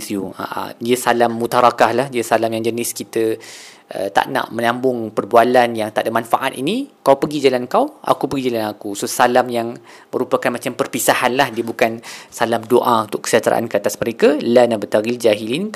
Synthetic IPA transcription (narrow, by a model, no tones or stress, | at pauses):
sua̰ʔa̰diəsalamːut̪aɾakahlahdiəsalamjaŋd͡ʒənɪskit̪ə | ʔə̰t̪a̰ʔna̰ʔmə̃nãmbʊŋpərbualanjaŋt̪aʔdamanfa̰ʔat̪inikawpəɡid͡ʒalankawʔa̰kupəɡid͡ʒalanakusosalamjaŋ | məɾupakanmat͡ʃampərpisahanlahdiəbukansalamdoʔaunt̪ʊʔkə̥siat̪ɾʔa̰ʔa̰nkəat̪asməɾekəlanabət̪aɡild͡ʒaɦilin